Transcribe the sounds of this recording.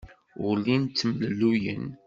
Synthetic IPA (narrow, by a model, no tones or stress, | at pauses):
ʊlint͡s̪ːmllːujə̰n